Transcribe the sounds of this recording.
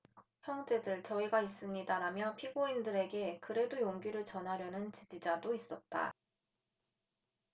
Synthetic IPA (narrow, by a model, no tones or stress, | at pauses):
çjʌŋd͡ʑe̞dɯɭt͡ɕʌiɡais͈ɯmɲidaɾamjʌpʰiɡoindɯɾe̞ɡe̞kɯɾe̞dojoŋɡiɾɯɭt͡ɕʌnɦaɾjʌnɯnt͡ɕid͡ʑid͡ʑadois͈ʌt̚t͈a̰